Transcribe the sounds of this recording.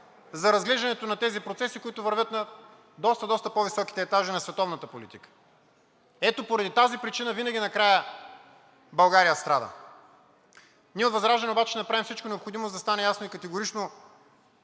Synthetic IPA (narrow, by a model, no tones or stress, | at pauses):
zɐɾɐzɡlɛʒd̪ɐnɛt̪onɐt̪ɛzipɾot̪sɛsikʊit̪ʊvɐɾvʲɤt̪nɐ | d̪ɔst̪ɐd̪ɔst̪əpovisɔkʲi̥t̪ɛːt̪aʒinɐsvɛt̪ɔvnɐt̪əpolit̪ikə̥ | ɛt̪opoɾɐd̪it̪azipɾit͡ʃinəvinɐɡʲinɐkɾajə | bɐlˠɡaɾijəst̪ɾad̪ə̰ | niɛot̪vɐzɾaʒɛnɛobat͡ʃɛnɐpɾavimfsit͡ʃkonɛopxod̪imozd̪ɐst̪anɛjasnoikɐt̪ɛɡoɾit͡ʃno